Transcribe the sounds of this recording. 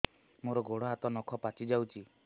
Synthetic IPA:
moɾɔɡoɽɔɦat̪ɔnɔkʰɔpat͡ʃid͡ʒawt͡ʃʰi

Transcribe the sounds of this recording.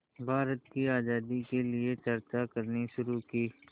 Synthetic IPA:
bʱaːɾət̪̚kiaːzaːd̪ikeliet͡ʃɐɾt͡ʃakɐɾniʃʊɾukiː

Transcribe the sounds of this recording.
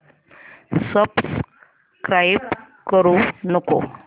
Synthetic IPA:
səbs | kɾajb | kəɾũnɔko̰

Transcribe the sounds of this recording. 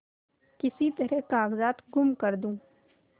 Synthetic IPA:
kɪsit̪ɐɾɛɦkaːɡzaːt̪ɡʊmkɐɾd̪ũː

